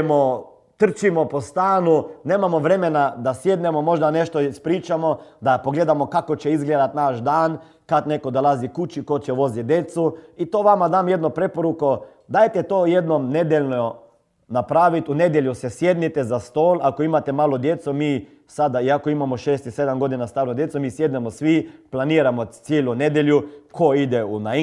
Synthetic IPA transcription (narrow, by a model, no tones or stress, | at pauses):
mo | t̪r̩t͡ʃimopost̪aːnune̞ːmamoʋɾe̞menad̪asjed̪nemomo̞ʒd̪aneʃt̪oispɾiːt͡ʃamod̪apoɡleːd̪amo̞kakot͡ʃeizɡleːd̪at̪naʃd̪aːn | kad̪ne̞kod̪olˠazikut͡ʃikot͡ʃeʋo̞zid̪je̞t̪suit̪o̞ʋamad̪aːmjed̪nopɾepoɾuko | d̪aːjt̪et̪oːjed̪nomned̪jeʎʲno | napɾaːʋit̪uned̪jeʎʲjusesjed̪nit̪ɛzast̪oːlakoimat̪emaːlod̪jet̪sumiː | sad̪aiakoimamoʃeːst̪ised̪amɡo̞d̪inast̪aːɾnod̪jet̪sumiːsjed̪nɛmosʋiplaniːɾamot̪sjeːluned̪jeʎjukʰoid̪ɛuna